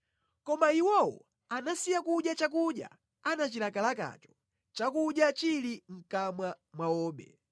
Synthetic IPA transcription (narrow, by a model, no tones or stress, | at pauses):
kɔmaiwɔwɔ̰ | anasijakuɗjat͡ʃak̬uɗja̰ | anat͡ʃilakalaka̰t͡ʃɔ̥ | t͡ʃakuɗjat͡ʃiliŋ̩kamwa | mwawɔːɓɛ̰